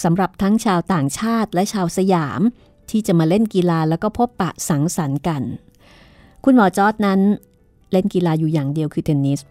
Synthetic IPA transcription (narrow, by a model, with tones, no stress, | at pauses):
sa˩˦mɾa˨˩p̚t̪ʰa˦˥ŋt͡ɕʰaː˧wt̪aː˨˩ŋt͡ɕʰaː˥˩t̪̚lɛ˦˥ʔt͡ɕʰaː˧wsa˧jaː˩˦m | t̪ʰiː˥˩t͡ɕa˨˩maː˧le˥˩nki˧laː˧lɛː˦˥wkɔː˥˩pʰo˦˥pːa˨˩sa˩˦ŋsa˩˦nka˧n | kʰu˧nmɔː˨˦t͡ɕɔː˦˥t̪̚na˦˥n | le˥˩nki˧laː˧juː˨˩jaː˨˩ŋdi˧əwkʰɯː˧t̪ʰe˧nːiː˦˥s